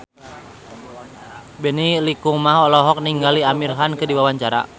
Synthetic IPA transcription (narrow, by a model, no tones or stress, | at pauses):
bɛnilikuŋmaɦɔlɔɦɔk̚niŋɡaliamirɦankɨdiwawaɲt͡ʃaɾa̰